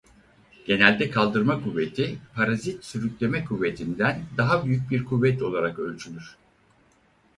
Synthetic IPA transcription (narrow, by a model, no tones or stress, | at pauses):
ɟ̥e̞nælʲd̪ɛkʰalˠd̪ɯɾmakʰuvːe̞t̪ʰipʰaɾazit̪syɾycʲlʲe̞mɛkʰuvːe̞t̪ʰind̪ænd̪aɦabyjyc̚biɾkʰuvːɛt̪o̞lˠaɾakø̞lʲt͡ʃʰylʲyɾ̥